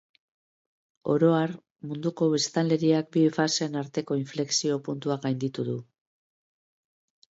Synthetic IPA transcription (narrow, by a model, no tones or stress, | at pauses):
o̞̰ɾo̞aɾ | mund̪uko̞βest̪anle̞ɾiak̚bifase̞ːnaɾt̪e̞ko̞iɱfle̞ksio̞punt̪uakɡajnd̪it̪uðu